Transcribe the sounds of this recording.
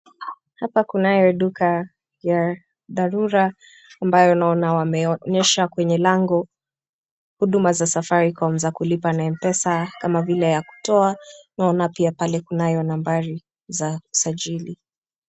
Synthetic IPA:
hapakunajɔɗuka | ja | ðaɾuɾaː | mbajɔnaɔnawamɛɔɲɛʃakwɛɲɛlaŋɡɔ | huɗumazasafaɾikaɔɔm̩zakulipanaɛm̩pɛsakamavilɛjaku̥tɔanaɔnapiapalɛkunajɔnambaɾi | zausaʄili

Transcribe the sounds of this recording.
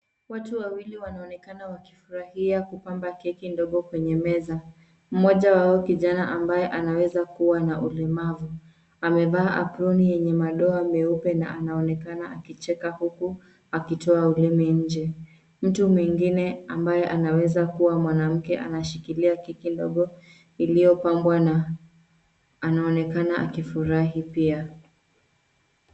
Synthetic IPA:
watuwawiliwanaɔnɛkanawaki̥fuɾahiakupambakɛkindɔɠɔkwɛɲɛmɛza | m̩mɔʄawaɔkiʄanaʔambajɛʔanawɛzakuwanaʔulɛmavu | amɛvaːʔa̰pɾunijɛɲɛmaɗɔamɛupɛna̰ʔanaɔnɛkanaakit͡ʃɛkahuku | akitɔaulɛmɛɲ̩d͡ʒɛ | m̩tumwiŋɡinɛambajɛʔanawɛzakuwamwanam̩kɛʔa̰naʃikiliakikindɔ̰ɠɔ | ilijɔpambwana | naɔnɛkanaʔa̰kifuɾaɦipia

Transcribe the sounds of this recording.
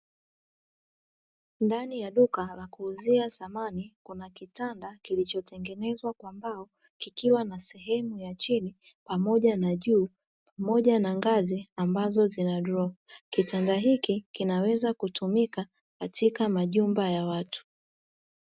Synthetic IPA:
ndanijaɗukalakuːziasamanikunakitandakilit͡ʃɔtʰɛŋɡɛnɛzwakwambaɔ | kikiwanasɛɦɛmujat͡ʃini | pamɔʄanaʄuː | pamɔʄanaŋɡaziambazɔzinadɾɔkitandaɦikikinawɛzakutʰumika | katʰikamaʄumbajawatu̥

